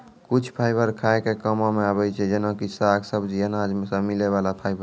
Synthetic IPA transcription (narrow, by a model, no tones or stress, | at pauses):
kut͡ʃʰpʰajbəɾkʰaekekəmɔ̃meaβɛt͡ʃʰɛd͡ʒenõkisaɡsəbd͡ʒiənad͡ʒmesə̃mileβalapʰajbə